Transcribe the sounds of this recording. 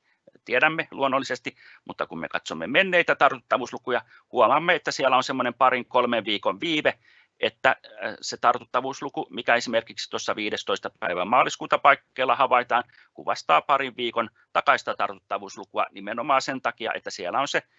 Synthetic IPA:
t̪ieɾæmːeluonːolːˑisest̪i | mut̪ːɑkummḛkɑ̰t̪somːḛmenːeit̪æt̪ɑrt̪ut̪ːɑʋuːslukujɑ | huomɑmːeet̪ːæsiælːˑæonsemːonempɑriŋkolmeʋʋiːkoʋʋiːʋe | ʔet̪ːæset̪ɑrt̪ut̪ːɑʋuːslukumikæesimerkiksi̥t̪osːɑʋiːdest̪oist̪ɑpæ̰iʋæmɑːlˑiskuːt̪ɑpɑikːeilːɑhɑʋɑit̪ɑːn | kṵʋʋɑst̪ɑːpɑriʋʋiːkon | t̪ɑkɑist̪ɑt̪ɑrt̪ut̪ːɑʋuːslukuɑ̰nimenomɑːsent̪ɑkiɑ̰ʔḛt̪ːæsiælːˑæonse

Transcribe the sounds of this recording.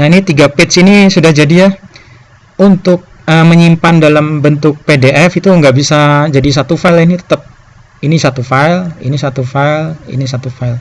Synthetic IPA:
nainit̪iɡapet̪sinisudahd͡ʒadija | unt̪ʊk̚əməɲimpandalambənt̪ʊk̚pedeʔɛfit̪uŋɡaʔbisad͡ʒadis̬at̪ufaɪlinit̪ə̥t̪əp̚ | inisat̪ufailḭnisat̪ufailḭnis̬at̪ufaɪl

